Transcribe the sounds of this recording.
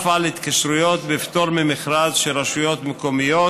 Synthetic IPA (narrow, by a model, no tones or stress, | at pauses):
falhit̪kaʃɾujot̪bft̪oɾmemɪχɾazʃeɾaʃujot̪mekomijo